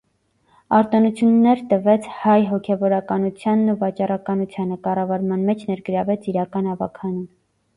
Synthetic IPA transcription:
ɑɾt̪ɔnut͡sʰjunːɛɾt̪əvɛt͡sʰhɑjɦɔkʰɛvɔɾɑkɑnut͡sʰjɑnːuvɑt͡ʃɑrɑkɑnut͡sʰjɑnəkɑrɑvɑɾmɑnmɛt͡ʃʰnɛɾɡəɾɑvɛt͡sʰiɾɑkɑnɑvɑ̰kʰɑnun

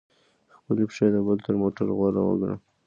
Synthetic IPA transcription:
xpəlipʃed̪əbəlt̪əɾmoʈaɾɣwɑɾa̰wə̰ɡɾa̰

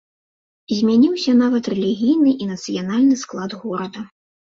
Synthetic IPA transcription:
zʲmʲanʲiwsʲɐnavɐt̪rɛlʲiɣʲijnɨʔinɐt̪sɨjanalʲnɨsklˠad̪ɣɔɾɐd̪ɐ

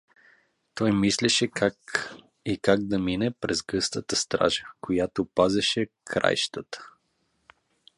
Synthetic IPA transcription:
t̪ɔjmislɛʃɛkak | ikaɡ̚d̪ɐminɛpɾɛzɡɤst̪ət̪əst̪ɾa̰ʒəkojat̪opazɛʃɛkʰɾa̰jʃt̪ət̪ə̥

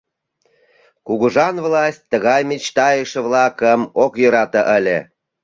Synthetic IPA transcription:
kuɣuʒɑnβlɑsʲt̪̚ʲːəɣɑjmet͡ɕt̪ɑjəʃəβlɑkəmokjøɾɑt̪əʔəlʲe

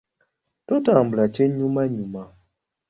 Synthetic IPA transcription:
totam̩blat͡ʃeɲumaɲuma

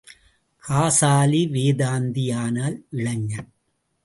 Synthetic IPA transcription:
kʰaːsaːliʋeːðaːnd̪ɪjaːnaːlʔɪɭɐŋːɐn

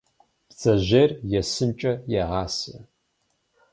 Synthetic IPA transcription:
pt͡sʼɐʑerjɛsɨmt͡ʃʼɐjɛʁɑːsɐ

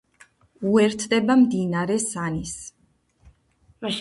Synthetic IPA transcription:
uɛɾt̪ʰd̪ɛbamd̪inaɾɛsanis

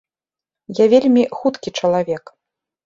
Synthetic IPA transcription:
javʲelʲmʲixut̪kʲit͡ʂɐlˠavʲɛk

